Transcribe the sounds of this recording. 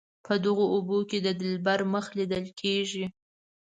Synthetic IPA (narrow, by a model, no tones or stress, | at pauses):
pʰəd̪əɣooboked̪əd̪ɪlbaɾməxlid̪əlkʰeʒi